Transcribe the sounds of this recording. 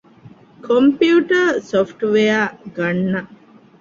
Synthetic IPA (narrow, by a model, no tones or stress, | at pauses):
kʰompiuuʈəsofʈʋejaɡɐɳːɐ